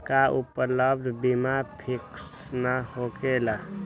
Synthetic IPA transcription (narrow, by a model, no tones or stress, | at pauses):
kaʔupləbd̪ʱbimapʰɪks | nahokela